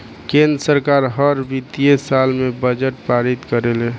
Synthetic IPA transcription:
kẽnd̪ɾəsəɾkaɾɦəɾbit̪iesalmebəd͡ʒəʈpaɾit̪kəɾele

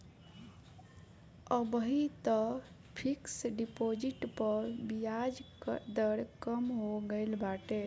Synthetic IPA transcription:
əbɦit̪ɔ | pʰiksɖipod͡ʒiʈpəɾbijad͡ʒkd̪əɽkəmɦoɡəɪlbaʈe

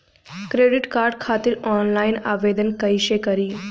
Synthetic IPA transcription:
kɾeɖiʈkaɾɖkʰat̪iːɾɔnlaina̰ʋed̪ənkəjɕekəɾiː

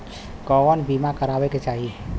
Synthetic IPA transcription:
kɔənbimakəɾaːbeket͡ʃaːɦi

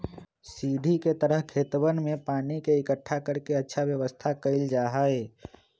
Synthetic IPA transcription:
siːd̪ʱiket̪əɾəɦkʰeːt̪wənmẽpaːnikeɪkəʈʰːakəɾkeɐtːʃʰaʋjəʋəst̪ʰakəɪld͡ʒaːɦaːeː

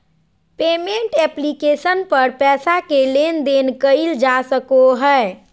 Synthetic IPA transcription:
pemeɳʈɛplikesənpəɾpɛsakelend̪enkəɪld͡ʒasəkoɦəe

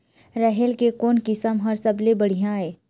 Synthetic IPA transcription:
ɾɛɦelkekoːnkɪsəmɦɐɾsɐblebɐɽ̤ijãɦɛː

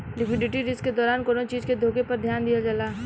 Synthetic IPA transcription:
ɖɪkʰʋɪɖɪʈiɾɪsked̪ɔːɾaːnkoːnot͡ʃiːzked̪ʱoːkepɐɾd̪ʱjaːnd̪ijad͡ʒalaː

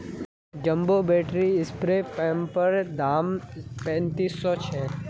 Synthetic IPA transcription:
d͡ʒɐ̃mbobɛːʈɾiɪspɾepɛ̃ːmpəɾd̪ʱaːmpɛ̃ːnt̪iːsːɔt͡ʃʰɛː

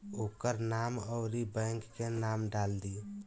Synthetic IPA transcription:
okəɾnaməʊɾibɛ̃ŋkːenamɖald̪i

